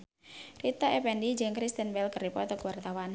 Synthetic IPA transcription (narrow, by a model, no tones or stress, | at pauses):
rit̪aɛpɛndid͡ʒəŋkɾist̪ənbɛlkəripɔt̪əkəwart̪awan